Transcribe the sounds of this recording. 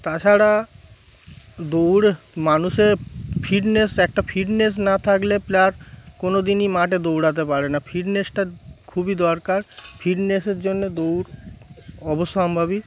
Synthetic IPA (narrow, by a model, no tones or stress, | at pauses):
t̪at͡ɕʰaɾa | d̪owɽmanuʃeɾfʰiɖnesɛk̚ʈafʰiɖnes̬nat̪ʰakleplaɾkonod̪inimaʈed̪owɽat̪̬epaɾenafʰiɖnesʈakʰubid̪ɔɾkaɾfʰiɖneseɾd͡ʑonːed̪owɾ | ɔbosambʱaβi